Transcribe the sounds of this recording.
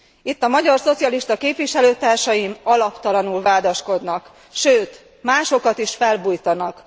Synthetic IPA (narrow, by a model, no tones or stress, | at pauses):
it̪ːɒmɒɟɒrso̞t̪sijɒliʃt̪ɒkeːpʋiʃɛløːt̪aːrʃɒjimɒlɒpt̪ɒlɒnulvaːd̪ɒʃko̞d̪nɒk | ʃøːt̪ | maːʃo̞kɒt̪iʃfɛlbujt̪ɒnɒk